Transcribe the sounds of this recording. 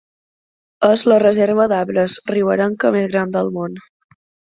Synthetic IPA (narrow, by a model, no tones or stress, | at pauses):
əzlərəzeɾβ̞əðaβɾəzriβəɾəŋkəmezɣɾand̪əlˠmon